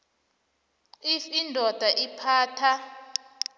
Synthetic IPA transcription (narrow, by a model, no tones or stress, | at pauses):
ifindʱɔd̥ʱaʔipʰaːtʰa